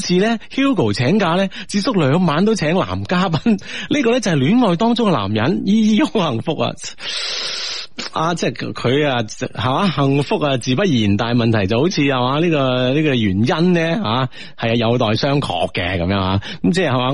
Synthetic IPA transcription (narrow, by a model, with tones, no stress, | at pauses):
t͡sʰiː˧lɛː˥hiː˥wko˨˩wt͡sʰɛː˨˥ŋkaː˧lɛː˥t͡siː˧p̚sʊ˥k̚lœː˨˧˥ŋmaː˨˥nt̪̬o˥wt͡sʰɛː˨˥ŋla̰ː˨˩mkaː˥pɐ˧˥nliː˥kɔː˧lɛː˥t͡sɐ˨˩hjlyː˨˥nŋɔː˨˧jt̪ɔː˥ŋt͡sʊ˥ŋkɛ˧la̰ː˨˩mjɐ˨˥njiː˥jiː˥jo˥ŋhɐ˨˩ŋfʊ˥k̚ɐ̰˧ | aː˧t͡sɛː˥kʰɵ˨˧ɥa˧ha˨˩aː˨˧˥hɐ˨ŋfʊ˥k̚a˧t͡siː˨˧pɐ˥t̚jiː˨˩nt̪aː˨jmɐ˨nt̪ʰɐ˨˩jt͡sɐ˨who˨˥wt͡sʰiː˧ɐ˨waː˨˧˥liː˥kɔː˧liː˥kɔː˧jyː˨˩njɐ˥nnɛː˥haː˨˧˥ | hɐ˨jɐ˧jɐ˨˧wt̪ɔː˨jsœː˥ŋkʰɔ̰ː˨kːɛ̰˧kɐ˨˦mjœː˧˥ŋɦaː˨˥kɐ˨˥mt͡sɛː˥˩hɐ˨waː˨˧˥